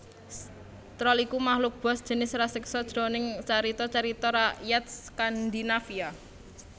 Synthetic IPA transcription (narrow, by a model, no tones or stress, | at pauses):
t̪ɾɔlikumahlʊk̚b̥ɔ̤sd̥ʒ̥ə̤nɪsrasɪksɔd̥ʒ̥ɾɔnɪŋt͡ʃaɾit̪ɔt͡ʃaɾit̪ɔɾajat̪̚skand̪inafia